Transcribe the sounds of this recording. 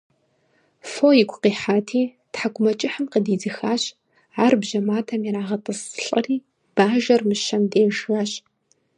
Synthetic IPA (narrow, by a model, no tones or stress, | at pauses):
foːjɪkʷʼqiːħaːtʰiː | tħaɡʷʰʼʊmɐt͡ʃʼɪħəmqədiːd͡zɨxaːɕ | aːrbʒɐmaːtʰɐmjiɾaːʁɐtʼɨsɬʼɐriː | b̥aːʒɐrmɨʃɐmdeːʒwaːɕ